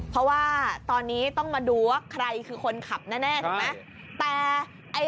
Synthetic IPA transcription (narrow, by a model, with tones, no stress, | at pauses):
pʰɾɔ˦˥waː˥˩t̪ɔː˧nːiː˦˥t̪ɔ˥˩ŋmaː˧duː˧wa˥˩kʰɾa˧jkʰɯː˧kʰo˧nkʰa˨˩p̚nɛː˥˩nɛː˥˩t͡ɕa˧ma˦˥ | t̪ɛː˨˩ | ʔa˧j